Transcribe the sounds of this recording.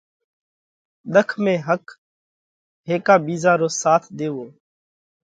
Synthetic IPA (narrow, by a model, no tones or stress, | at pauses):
ɗ̪əkʰmẽːɦək | ɦeːkaːbiːzaːɾoːsaːt̪ʰd̪eːʋoː